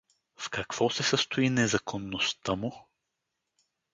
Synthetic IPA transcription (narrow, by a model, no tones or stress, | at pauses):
fkɐkv̥ɔsɛsəst̪ʊinɛzɐkʰonːost̪əmʊ